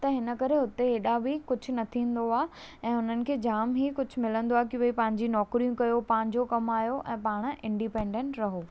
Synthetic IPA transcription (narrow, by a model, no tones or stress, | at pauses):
t̪ɐɦɪnə̆kɐɾeɦʊt̪eɦeːɗabikʊd͡ʑʱʊ̆nɐt̪ʰĩːnd̪oaː | ɛ̃ːʊn̤ənɪ̆kʰeːd͡ʑaːmɦikʊd͡ʑʱʊ̆mɪlə̃nd̪oaːekɪʋɐipɐ̃ɦɪ̃ɲd͡ʑinɔːkɾijũkɐjopãːɦɪ̃ɲ̆d͡ʑokɐmaːjoʔɛ̃ːpaːɽ̃ɪ̃ɳɖipẽːɳɖẽːɳʈɾɐɦoː